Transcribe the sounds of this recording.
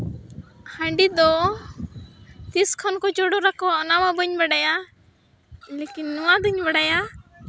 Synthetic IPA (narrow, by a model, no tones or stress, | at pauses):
hə̃ɳɖid̪ɔ | t̪iskʰɔnkɔt͡ʃɔɽɔɾakɔɔnamabəɲbaɽaja | lekinːɔwad̪əɲbaɽaja